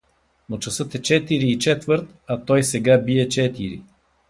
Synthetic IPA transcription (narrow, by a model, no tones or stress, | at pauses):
not͡ʃɐsɤt̪ɛt͡ʃɛt̪iɾiːt͡ʃɛt̪vɤɾt̪ | ɐt̪ɔjsɛɡabiɛt͡ʃɛt̪iɾḭ